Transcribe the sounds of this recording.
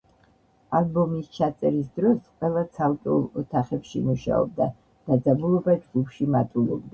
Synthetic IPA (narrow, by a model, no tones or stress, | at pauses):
albɔmist͡ʃʰat̪sʼɛɾisd̪ɾɔsqʼwɛlˠat̪sʰalt̪ʼulˠɔt̪ʰaχɛpʃḭmuʃa̰ɔ̰b̚d̪a | d̪̥ad̪zabulˠɔbad͡ʒɡupʃimat̪ʼulɔb̚d̪a